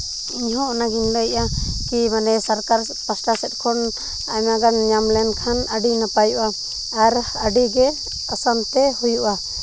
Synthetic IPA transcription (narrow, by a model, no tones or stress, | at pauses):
iɲɦɔ̃naɡinləʔakimanɛsaɾkaɾɛpasʈasɛt̪̚ˀkʰɔn | amaɡanɲamlɛnkʰanəɖinapajuʔaː | ɾ | əɖiɡɛ | əsamt̪ɛhujuʔa